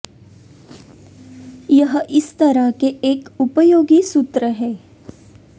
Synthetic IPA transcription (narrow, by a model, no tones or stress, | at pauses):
jəɦəʔɪst̪ɐɾakeʔeːkupəjoːɡiːsut̪ɾəɦɛː